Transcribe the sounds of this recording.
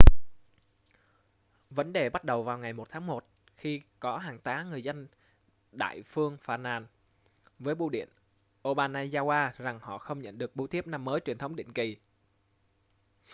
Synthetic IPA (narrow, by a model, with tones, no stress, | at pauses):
və˨˦nɗe˨˩ɓa˦˥t̚ɗə˨˩wvaː˨˩wŋa˨˩jmo˨˩t̚t̪ʰaː˨˦ŋmo˨˩t̚ | xi˧kɔ˨˦ɦaː˨˩ŋt̪aː˨˦ŋɨ˨˩əjzə˧n | ɗa̰ː˧˨jfɨ˧əŋfaː˧˩naː˧˩n | vəː˨˦jɓu˧ɗḭ˧˨ən | ʔo˧ɓaː˧naː˧zaː˧waː˧za˨˩ŋhɔ̰˧˨xə˧wŋ͡mɲə̰˧˨nɗɨ˨˩ək̚ɓu˨˧˦t̪ʰi˦˥əp̚na˧mːəː˨˦jt͡ɕwi˨˩ənt̪ʰə˨˦wɗḭ˧˨ŋ̟ki˨˩